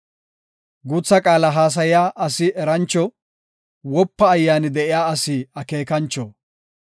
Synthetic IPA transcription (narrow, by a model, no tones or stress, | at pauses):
ɡut͡sːɐkʼaːlɐɦaːs̬ɐjɪjaːʔɐsɪɛɾɐnt͡ʃːɔ | wɔpːɐːjːaːnɪd̪ɛʔɪjaːɐsiɐke̞ːkɐnt͡ʃːɔ